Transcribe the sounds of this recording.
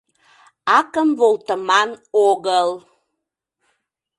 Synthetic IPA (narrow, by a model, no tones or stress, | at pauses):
ɑkəmβolˠt̪əmɑnoɣəl